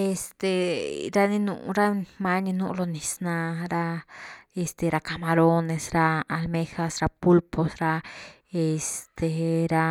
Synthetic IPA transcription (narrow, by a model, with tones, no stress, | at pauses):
e˧st̪e˨ɾa˧ni˧nṵ˧ɾa˦ma˦ɲi˧nu˦˧lo˧ni˨sna˧ɾa˧e˧st̪e˨ɾa˧ka˧ma˧ɾo˦ne˧sɾa˧a˧lme˦xa˧sɾa˧pu˦lpo˧sɾa˧ | e˧st̪e˨ɾa˧